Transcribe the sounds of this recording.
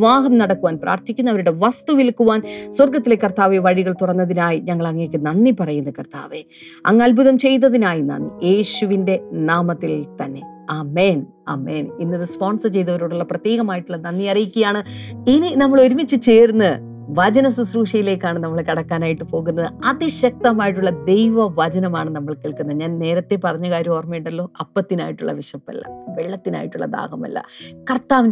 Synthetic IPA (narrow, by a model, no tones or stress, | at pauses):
ʋaːɦɐmnɐɽɐkːuʋaːnpra̰ːrt̪ikʲːunːɐʋɐɾuɽe̞ʋɐst̪uʋilkuʋaːnswɐrɡɐt̪ːile̞kːɐrt̪aːʋeʋɐɻiɣɐɭt̪urɐnːɐðinaːjiɲɐŋːɐɭɐŋːeːkːɨnɐnːipɐrɐjunːɐkɐrt̪ʰa̰ːʋe | ɐ̰ŋːɐlbuðɐmt͡ɕe̞jnːɐðinaːjinɐ̰nːije̞ːɕuʋinde̞naːmɐt̪ːilt̪ɐnːe̞̰ | aːme̞ːn | a̰ːme̞ːninːɐðɨspoːnsɐt͡ɕe̞jt̪ːɐʋɐɾoːɽuɭːɐprɐt̪jeːɣɐmaːjiʈːuɭːɐnɐnːiɐrijikʲːujaːɳɨinɨnɐmːɐɭo̞ɾumit͡ɕːɨt͡ɕeːrunːɨ | ʋɐd͡ʑɐnɐsusruːʂɐjile̞ːkːaːɳɨnɐmːɐɭkɐɽɐkːaːnaːjiʈːɨpo̞ːɣunːɐðɨɐðiɕɐk̚t̪ɐmaːjiʈ̬ːuɭːɐd̪e̞jʋɐʋɐd͡ʑɐnɐmaːɳɨnɐmːɐɭkeːɭkunːɐɲaːnne̞ːɾɐt̪ːe̞pɐrɐɲːɐɣaːɾjuoːrmijɳʈːɖɐlːo̞ːʔɐpːɐt̪ːinaːjiʈːuɭːɐ̰ʋiɕɐpːɐ̰lːɐ̰ʋeɭːɐt̪ːina̰ːjiʈːuɭːɐ̰d̪a̰ːɣɐmɐ̰lːɐ̰kɐrt̪ːaːʋ